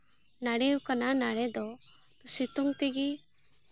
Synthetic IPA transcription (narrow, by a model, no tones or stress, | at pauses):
naɽɛukananaɽɛd̪ɔ | t̪usit̪uŋt̪ɛɡi